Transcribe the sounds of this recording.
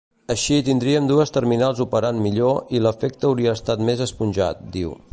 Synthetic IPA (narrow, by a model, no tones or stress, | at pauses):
əʃit̪ind̪ɾiəmd̪uəst̪əɾminalˠzupəɾanmiʎoʔiləfek̚t̪əːwɾiəːst̪at̪mezəspunʲʒa̰t̪̚d̪iw